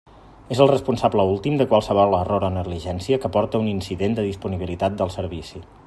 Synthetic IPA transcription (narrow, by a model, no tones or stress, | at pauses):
ezəlˠrəspunsabləulˠt̪imd̪əkwalˠsəβ̞ɔlˠəroɾonəɣliʒɛnsiəkəpɔɾt̪əuninsiðend̪əðispuniβ̞ilit̪at̪̚d̪əlˠsəɾβisi